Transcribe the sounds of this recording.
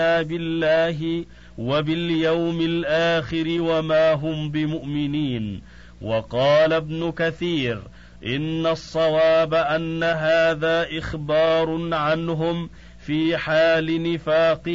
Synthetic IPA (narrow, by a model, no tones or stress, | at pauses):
aːbɪlːaːɦɪ | wabɪljawmɪlʔaːxɪɾɪwamaːɦʊmbɪmʊʔmɪniːn | wɑqɑːlabnʊkaθiːɾ | ʔɪnːasˤːɑwaːbaʔanːaɦaːðaːʔɪxbɑːɾˤʊnʕanɦʊm | fiːħaːlɪnɪfaːqɨ